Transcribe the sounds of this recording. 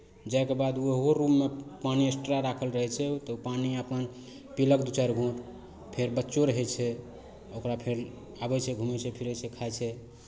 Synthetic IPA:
d͡ʒajkebad̪ueɦoɾumːepaniesʈɾaɾakʰəlɾəɦɛt͡ʃʰɛt̪ɔupaniəpən | piləkd̪ut͡ʃaɾɡʱõʈ | pʰeɾbətːt͡ʃoɾəɦɛt͡ʃʰɛ | okɾapʰeɾ | abɛt͡ʃʰɛɡʱumɛt͡ʃʰɛpʰiɾɛt͡ʃʰɛkʰaɛt͡ʃʰɛ

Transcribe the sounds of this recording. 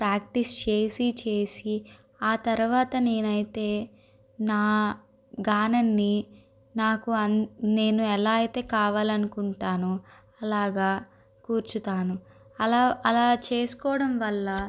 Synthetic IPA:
pɾaːk̚ʈist͡ʃe̞ːsit͡ʃe̞ːsi | aːt̪ɐɾuʋaːt̪ɐne̞ːnɐjit̪e̞ː | naː | ɡaːnɐnːi | naːkuɐnne̞ːnuɛlaːɐjit̪e̞ːkaːʋaːlɐnukuɳʈaːnu | ɐlaːɡaː | kuːɾt͡ʃut̪aːnu | ɐlaːɐlaːt͡ʃe̞ːsu̥kɔːɽɐmʋɐlːɐ

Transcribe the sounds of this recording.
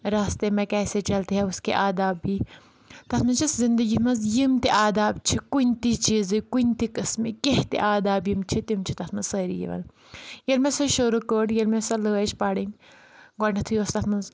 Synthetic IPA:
ɾaːst̪emɛ̃kɛːset͡ʃɐlt̪eɦɛuskeʔaːd̪aːbiː | t̪ɐt̪ʰmɐnt͡ʃʰiszind̪əɡit̪ʰmɐnzjimt̪iʔaːd̪aːb̚t͡ʃʰikunʲt̪it͡ʃiːzɨkunʲt̪ikɐsmikeht̪ḭʔaːd̪aːbjimt͡ʃʰit̪imt͡ʃʰit̪ɐt̪ʰmɐnsɐːɾḭjḭʋɐ̰n | jelmesɐʃuɾukəːɽjelmesɐlɨɐt͡ʃʰpaɽinʲ | ɡɐnɐt̪ʰujost̪ɐt̪ʰmɐnz

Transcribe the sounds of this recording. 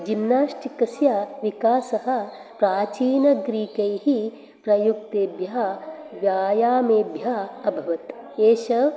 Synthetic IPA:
d͡ʒinːaːʃʈikɐsjaːʋikaːsɐɦɐ̆ | pɾaːt͡ʃiːnɐɡɾiːkɐjhi | pɾɐjuk̚t̪eːbjaː | ʋjaːjaːmeːbʱjaːɐbʱɐʋɐt̪eːʃɐʋ

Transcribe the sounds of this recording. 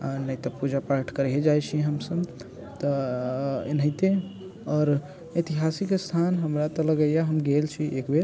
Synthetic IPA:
anəjt̪ɔpud͡ʒapaɾʈʰkəɾɦed͡ʒajt͡ʃʰiɦəmsəb | t̪ɔ | ḛnəjt̪ẽ | ɔːɾ | ət̪iɦasikst̪ʰanɦəmɾat̪ɔləɡəjjaɦəmɡelt͡ʃʰiʔekbeɾ

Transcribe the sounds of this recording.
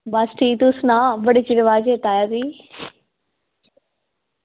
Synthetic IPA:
baːsʈit̪usnaʋɐɽɪt͡ɕiʋɪʋaːd͡ʑet̪aːjaːɾiː

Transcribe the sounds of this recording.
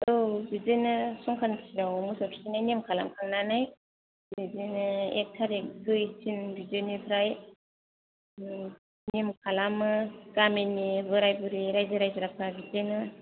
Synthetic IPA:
ɯbizɯjnɯsɔŋkʰanpʰi̥sidawɔmusɔtʰi̥sinajnimkʰala̰mkʰaŋnanaj | bizinɯek̚tʰaɾek̚ɡɯjsinbizonipʰɯɾaj | nimkʰalamɯɡaminibɯɾajbɯɾiɾajzɯɾajzɯɾapʰabizɯjnɯ

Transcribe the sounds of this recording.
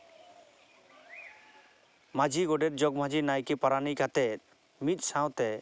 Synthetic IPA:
mad͡ʒiɡɔɖeɾd͡ʒɔɡm̤ad͡ʑinajkipaɾanikat̪ɛ | mit̪̚ˀsaw̃t̪ɛ

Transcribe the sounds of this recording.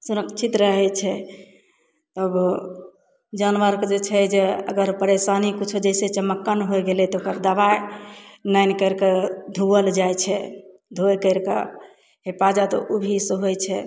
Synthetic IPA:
suɾəkt͡ʃʰit̪ɾəɦɛt͡ʃʰɛ | t̪əb | d͡ʒanʋəɾkd͡ʒet͡ʃʰɛd͡ʒeə̰ɡəɾpəɾesanikut͡ʃʰud͡ʒəjset͡ʃəmːəkːaneɦojɡelɛt̪ɔokəɾd̪əbaenajnkəɾkad̪ʱuəld͡ʒajt͡ʃʰɛ | d̪ʱoekəɪɾka̰ | ɦepad͡ʒat̪ɔ̰ʔubʱisɦojt͡ʃʰɛ

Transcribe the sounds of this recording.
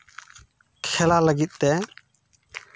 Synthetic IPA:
kʰɛlaləɡit̪̚ˀt̪ɛ

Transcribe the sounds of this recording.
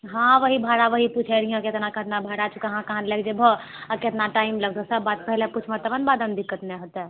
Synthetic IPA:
ɦãʋəɦibʱaɽaʋəɦiput͡ʃʰɛɾ̤ijãket̪nakət̪nabʱaɽat͡ʃʰukəɦãkəɦãnlɛɡd͡ʒebʱə | əket̪naʈaimləɡd̪ɔsəbːat̪̚pəɦlɛput͡ʃʰmət̪əbənbad̪ənd̪ikət̪neɦot̪ɛ

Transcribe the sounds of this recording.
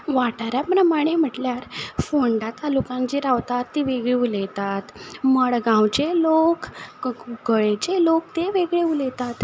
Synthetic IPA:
ʋaʈaɾjapɾəmaɽ̃em̤əʈljaɾfoɳɖat̪alukãŋt͡ɕiɾaʋt̪at̪ːiʋeɡɭeulet̪at̪məɭɡãwt͡ɕelok | ɡəɭet͡ɕelok̚t̪eʋeɡɭeulet̪at̪

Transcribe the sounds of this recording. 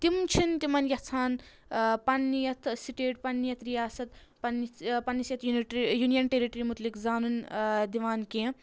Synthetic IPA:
t̪imt͡ʃʰint̪imɐnjɐht͡sʰaːn | pɐnːijɐt̪ʰsiʈeːʈpɐnːijɐt̪ʰɾijaːsɐt̪pɐnipɐnːisjɐt̪juniʈjunijɐnʈeɾiʈɐɾimut̪likzaːnund̪iʋaːnkẽː

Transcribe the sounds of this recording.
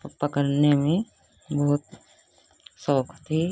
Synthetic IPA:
pəkəɾnemẽ | bɐɦʊt̪ | sɔːkʰt̪ʰi

